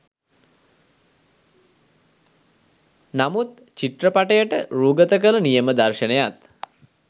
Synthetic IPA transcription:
namut̪ | t͡ɕiʈrəpaʈəjəʈəɾuːɡət̪əkələnijəməd̪arʃənejat̪

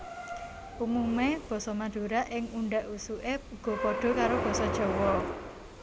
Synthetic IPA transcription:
ʔumumeb̥ɔ̤sɔmaɖ̥ṳɾaʔɪŋuɳɖaʔusuʔeɡ̥ɔ̤pɔɖ̥ɔ̤kaɾob̥ɔ̤sɔd̥ʒ̥ɔ̤wɔ

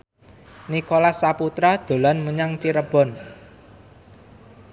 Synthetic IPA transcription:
nikolasːaput̪ɾad̪̥o̤lanməɲaŋt͡ʃiɾəb̥ɔ̤n

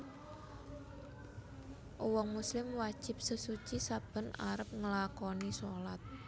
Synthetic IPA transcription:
ʔowɔŋmuslɪmwad̥ʒ̥ɪ̤p̚səsut͡ʃisab̥ə̤na̰ɾəp̚ŋəlakɔnisɔlat̪̚

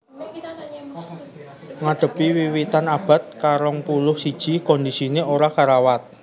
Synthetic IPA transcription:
ŋaɖ̪̥ə̤piwiwit̪anab̥a̤t̪̚kaɾɔŋpulʊhsid̥ʒ̥i̤kɔndisineoɾakaɾawat̪̚

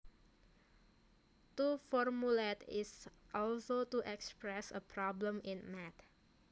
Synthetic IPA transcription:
tufɔɹmuletɪsʔɔlsotuʔɛkspɹɛsə̰pʰɾɔblə̃mɪ̃nmɛt̪

